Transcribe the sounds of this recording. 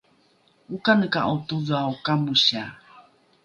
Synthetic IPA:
ukanəkaʔot̪uðawkamuɕa

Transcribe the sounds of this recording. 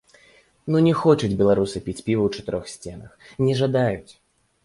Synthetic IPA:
nunʲɛxɔt͡ʂɐd͡zʲbʲɛlˠaɾusɨpʲit͡sʲpʲivɐwt͡ʂɐ̥t̪ɨɾɔxsʲt͡sʲɛnɐ̰xnʲɛʐad̪ajut͡sʲ

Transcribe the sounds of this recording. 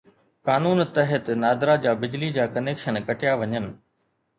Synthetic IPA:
kaːnuːnt̪ɐɦət̪naːd̪ɾad͡ʑaːbɪd͡ʑlid͡ʑaːkɐneːkʃənkɐʈɪjaʋɐɲənɪ̆

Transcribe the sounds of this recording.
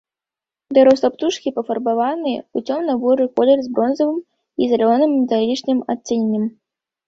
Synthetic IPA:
d̪ɐɾɔslˠɐpt̪uʂkʲipɐfɐrbavanɨjɛut͡sʲɔmnɐbɔɾɨkɔlʲɛrzbɾɔnzɐvɨm | izalʲɔnɨmːʲɛt̪alʲit͡ʂnɨmat̪ʲsʲinʲːɐm

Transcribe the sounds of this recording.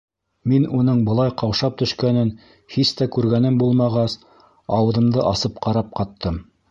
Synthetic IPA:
minunɤɴbɤ̆lˠɑjqɑwʃɑp̚t̪ɵ̆ʃkænɘn | hist̪ækʉɾɡænɘmbulˠmɑʁɑs | ɑwɤ̆ðɤ̆md̪ɤʔɑsɤp̚qɑɾɑp̚qɑt̪ːɤm

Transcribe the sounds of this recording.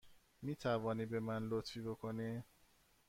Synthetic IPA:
miːt̪ʰævɒːniːbe̞mænlot̪fiːbokʰo̞ni

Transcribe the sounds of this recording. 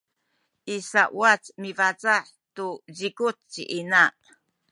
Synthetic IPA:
ʔisaʔwat͡smivat͡saħ | tuzikut͡sːḭʔina

